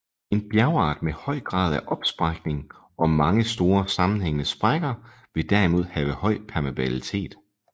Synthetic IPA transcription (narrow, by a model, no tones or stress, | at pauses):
e̝nb̥jæɐʊɑ̰̈ːd̥mehɒ̽ɪ̰ɡ̥ʁɑ̰̈ːð̞̰ˠæʔɒ̽b̥sb̥ʁɑɡ̥ne̝ŋ | ɒ̽mɑ̈ŋəsd̥o̝ːɐsɑ̈mn̩ɦeŋənəsb̥ʁaɡ̥ɐ | ʋe̝d̥æɐimo̝ð̞̰ˠhɛːʋəhɒ̽ɪ̰pʰæɐmæb̥ælit͡sʰe̝̰ːd̥